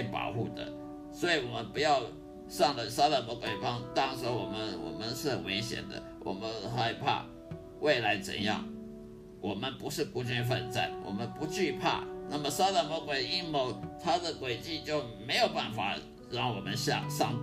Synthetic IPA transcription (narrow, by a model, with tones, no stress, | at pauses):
pɑ̰˨˩ʊxu˥˩d̪ə̰˨˩ | swɔ˧˦˥i˨˩wɔ˨˩mə˦npu˧˥jɑ˥˧ʊ | ʂɑ˥˩ŋlə˨sa˥lə˨˩mɔ˧˥kwe˨˩ɪpɑ˥ŋt̪ɑ˥ŋʂ̩˧˥wɔ˨˩mə˦nwɔ̰˨˩mə˦nʂɻ̩˥˩xə˨˩nwe˧˥ɪɕjɛ̰˨˩nd̪ə̰˦wʔɔ̰˨˩mə˦nxa˥˩ɪpʰa̰˥˧ | wʔe˥˩ɪla˧˥ɪt͡sə̰˨˩njɑ̰˥˩ŋ | wʔɔ˨˩mə˦npu˧˥ʂɻ̩˥˩ku˥t͡ɕy˥nfə̰˨nt͡sa̰˥˩nwɔ̰˨˩mə˦npu˧˥t͡ɕy˥˧pʰa̰˥˧˩na˥˩mə˨˩sa˥lə˨˩mɔ˧˥kwe˨˩ɪi˥nmo˨˥ʊt̪ʰa˥d̪ə˨kwe˨˩ɪt͡ɕi˥˧t͡ɕjo˥˩ʊme˧˥ɪjo˨˩ʊpa˥˩nfa̰˨˩ | ɻɑ˥˩ŋwɔ˨˩mə˦nɕɑ̰˥˧ʂɑ̰˥˩ŋ